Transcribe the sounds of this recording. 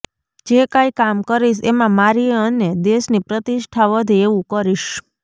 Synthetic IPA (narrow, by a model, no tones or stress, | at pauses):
d͡ʒekajkamkəɾiʃemãmaɾieəned̪eʃnipɾət̪iʃʈʰaʋəd̪ʱieʋũkəɾiʃ